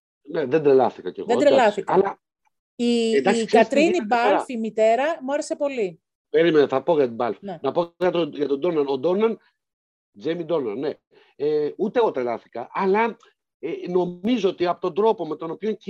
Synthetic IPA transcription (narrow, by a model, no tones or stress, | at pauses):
neðed̪ɾelɐθikɐceɣðed̪ɾelɐθikɐlɐ | ied̪ɐssɐt̪ɾinibɐlfimit̪e̞ɾɐmuɐɾese̞po̞li | pe̞ɾimenɐθɐpoʝɐt̪ibɐlfenɐpoʝɐt̪oʝɐt̪od̪o̞nɐnod̪o̞nɐn | d͡zemid̪o̞nɐ̰nne | eut̪eɣot̪ɾelɐθi̥kɐʔɐlɐ | eno̞mizoot̪iɐpot̪o̞nd̪ɾo̞po̞me̞t̪o̞no̞pio̞ɲci